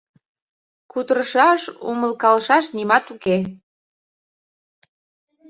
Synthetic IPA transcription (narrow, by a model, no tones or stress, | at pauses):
kud̪əɾəʃɑʃṵməlkɑlʃɑʃnimɑt̪uke